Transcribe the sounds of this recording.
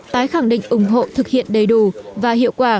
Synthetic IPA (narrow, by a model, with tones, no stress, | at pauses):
t̪aː˨˦jxa˧˩ŋɗḭ̈˧˨ŋ̟ʔʊ˨˧˩ŋ͡mɦo̰˧˨t̪ʰɨ˨˩k̚hḭ˧˨ənɗə˨˩jɗu˧˨˩vaː˨˩hḭ˧˨əwkwaː˧˩